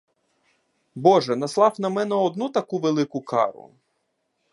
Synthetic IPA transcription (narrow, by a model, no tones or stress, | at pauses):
bɔʒɛnɐslˠɑwnɐmɛnɛɔd̪nut̪ɐkuʋelˠɪkʊkɑ̰ɾʊ̰